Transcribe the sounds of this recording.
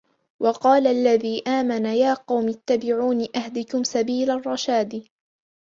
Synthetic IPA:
wʔɑqɑːlaʔlːaðiːʔaːmanajaːqɑwmɪt̪ːabɪʕuːnɪʔahd̪ɪkʊmsabiːlarˤːɑʃaːd̪

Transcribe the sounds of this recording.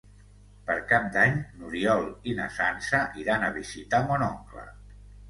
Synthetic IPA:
pəɾkap̚d̪aɲnuɾiɔlˠinə̰sansəʔiɾanəβizit̪amɔnɔŋklə̰

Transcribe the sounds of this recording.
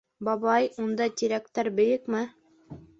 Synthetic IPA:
bɑβɑjund̪ɑt̪iɾækt̪æɾbɵ̆jɘkmɘ

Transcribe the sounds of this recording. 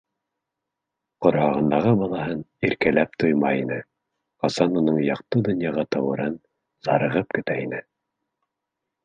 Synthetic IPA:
qŏɾhɑʁɤ̆nd̪ɑʁɤbɑlˠɑhɤniɾkælæp̚t̪ojmɑinɘ | qɑsɑnunɤɴjɑqt̪ɤd̪ɵ̆njɑʁɑt̪ɑwɤ̆ɾɤn | z̥ɑɾɤ̆ʁɤp̚kɵ̆t̪æinɘ

